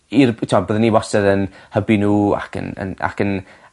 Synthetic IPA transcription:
irtʰmabəːðəniwɔsɛðənhəbinuːa̰kʰə̰nə̰na̰kən

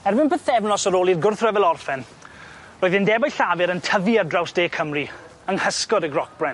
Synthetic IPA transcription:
ɛrbɪnpʰəθɛvnɔsɔɾoːlˠirɡʊrθrɛvɛlˠɔrfɛn | roːɨðɪndɛbajɬavɨɾəntʰəðiardrawsd̥eːkʰəmri | əŋhəskɔɾəɡrɔk̚b̥rɛn

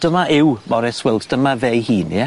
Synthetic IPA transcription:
d̥əmaʔɪwmɔɾɛswɪlˠtd̥əmavejhiːni

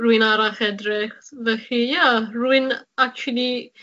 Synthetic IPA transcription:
ruɨnaɾaχɛdrɪχvɛɬijaruɪnak̚t͡ʃulˠi

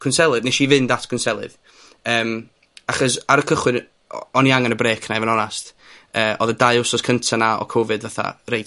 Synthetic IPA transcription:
kʰʊnsɛlˠɨðneʃivɨndatʰkʰʊnsɛlˠɨ̰ð | əːm | aχɔsaɾəkʰəχwɨn | ɔniaŋanəbreːkʰnajvɛnɔnast | əːʔɔ̰ðədajʊsɔskʰəntʰanaɔ̰kʰɔvɨdvaθa̰rejt

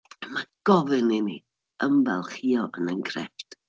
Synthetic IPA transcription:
maɡ̥ɔvɨnini | əmbɛlˠχiːɔʔənəŋɡrɛ̰ft

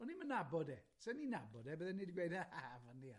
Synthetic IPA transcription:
ɔnimənabɔdɛ | sɛninabɔdɛbəðɛnidɡwejdəhavania

